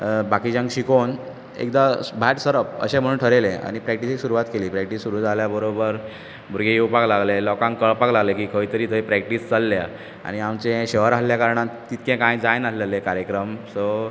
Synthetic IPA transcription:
bakiːd͡ʑãŋɡɕikon | ḛkd̪abʱaʈsəɾəp̚ə̰ɕẽm̤əɽũːnʈʰəɾelẽa̰ɽ̃ipɾɛk̚ʈisiksuɾuʋat̪keliːpɾɛkʈisːuɾuːd͡zaljabəɾobəɾ | bʱuɾɡeeupaklaɡlelɔkãŋkːəɭpaklaɡlekiːkʰəit̪əɾiːt̪əipɾɛk̚ʈiːst͡salːja | a̰ɽ̃iamt͡sẽɕeʋəɾaljakaɾɳat̪ːit̪kɛ̃kãjd͡zajnalelekaɾjəkɾəmsɔ

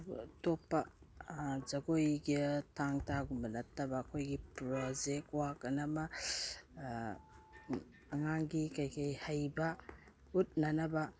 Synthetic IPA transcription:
topːɐ | d͡ʒɐɡojɡitʰaŋtʰaɡumɐnɐtːɐbɐːkʰojɡipɾod͡ʒek̚twakɐnamɐ | ɐŋaŋɡikajkajhajbɐ | ut̚nɐnɐbɐ

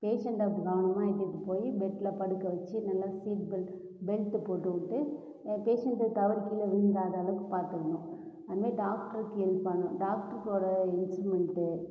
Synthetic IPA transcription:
peːʂɐɳʈɐpːkaːʋɐɳɐmaːɪʈːɯkːɯpoːjibɛʈːɪlɐpɐɽɯkːɐʋɐt͡ʃːɯnɐlːaːsiːʈ̚bɪl | bɛlt̪ɯpoːʈːɯʋɪʈːɯ | peːʂɐɳʈɯt̪ɐʋɪɾkiːlɐʋɪnɡ̪aːðɐlɯkːɯpaːɾt̪ɯkːɐɳʊ̃ | ɐðɯmeːɖaːkʈɐɾkːɛlpɐɳʊ̃ɖaːkʈɐɾkoːɽɐɪnsɾɯmɛɳʈɯ

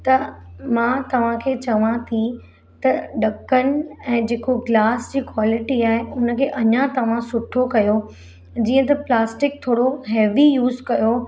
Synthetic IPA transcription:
t̪ɐmãːt̪ɐʋ̤ãkʰeːt͡ɕɐʋãt̪ʰi | t̪ɐɖɐkənɪ̆ɛ̃ːd͡ʑeːkoɡlaːsd͡ʑiːkwaːlɪʈiaːɦeʊnə̆kʰeːʔɐɲãt̪ɐʋ̤ãsʊʈʰokɐjo | d͡ʑiːə̃t̪ɐplaːsʈɪk̚t̪ʰoːɽoɦeːʋijuːzkɐjo

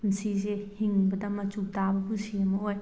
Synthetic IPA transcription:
nsizehiŋbɐdɐmɐt͡ʃutabɐɦusiɐmɐoj

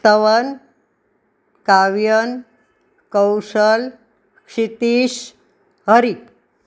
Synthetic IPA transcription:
t̪əʋən | kaʋjən | kəwsəl | kʂit̪iːɕ | ɦəɾi

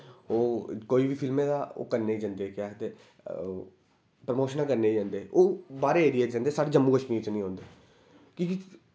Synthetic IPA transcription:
oːkoːiːʋiːpʰɪlmẽːd̪aːo̰ːkəɾneːiːd͡ʒãːnd̪eːkɪjaːt̪eː | pɾəmoːʃənãːkəɾneːid͡ʒãːnd̪eːʔoːbaːɾeeːɾieːãːnd̪eːsaːɽeːd͡ʒəmːuːkəʃmiːɾt͡ʃnĩːɦõːnd̪eː | kĩːki

